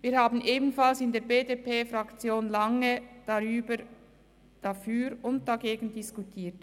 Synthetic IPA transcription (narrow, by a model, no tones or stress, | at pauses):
viːɐɾhaːbn̩ʔeːbn̩falsɪndeːɐɾbeːdepeːfɾakt͡sjoːnlaŋəd̥aʁyːbə | d̥afyːɾʊnt̚d̥aɡeːɡn̩dɪskutʰiːt